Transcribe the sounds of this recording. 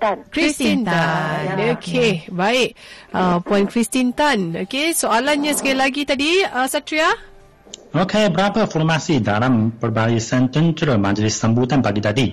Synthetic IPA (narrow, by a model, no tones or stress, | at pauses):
kɹistint̪anokʰebaiʔ̚əpɔĩnkɹist̪int̪anokesoalanɲasə̥kajalaɡit̪adiəsatɾia | okʰebəɾapəfɔɾmasid̪alampəɾbaɾisɛ̃nt̪ənt̪əɾəmad͡ʒlɪsːəmbut̪anpaɡit̪adi